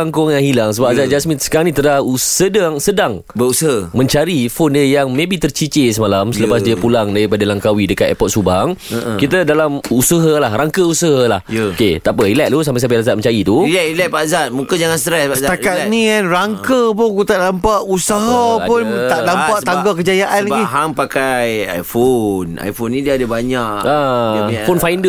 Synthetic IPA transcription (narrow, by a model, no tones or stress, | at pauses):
aŋkʊŋjaŋhilaŋsəbap̚azat̪̚d͡ʒasminsə̥kaɾaŋnĩt̪ədausədaŋsədaŋ | bəusəɦamə̃ɲt͡ʃaɾifondiəjaŋmẽbiht̪ərt͡ʃit͡ʃesəmalamsələpas̬diəpulaŋdaɾipadalaŋkawidəkat̪ɛ̰pɔt̪̚subaŋkit̪ədalamusəɦəlahɾaŋkəusəɦalahoket̪apəilɛʔ̚t̪us̬ampas̬amp̬alazat̪̚mə̃ɲt͡ʃaɾit̪uilɛilɛpazat̪̚mukəd͡ʒaŋanst̪ɾɛspasəaakat̪̚nĩanraŋkəpʊnkut̪aʔdampaʔusaɦapʊnt̪aʔdampaʔt̪aŋɡakəd͡ʒajaʔanlaɡiɦaŋpakaja̰jfona̰jfonːĩdiəadəbaɲaʔafonfajndə